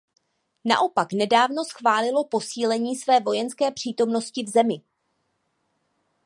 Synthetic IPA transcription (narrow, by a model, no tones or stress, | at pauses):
na̰ʔo̞paknɛdaːvno̞sxvaːlɪlo̞po̞siːlɛɲiːsvɛːvo̞jɛnskɛːpr̝̥iːt̪o̞mno̞scɪvzɛmɪ